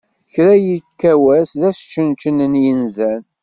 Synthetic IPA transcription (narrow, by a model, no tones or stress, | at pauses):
çɾæjikːæwæsðæst͡ʃːənt͡ʃənənjinzæn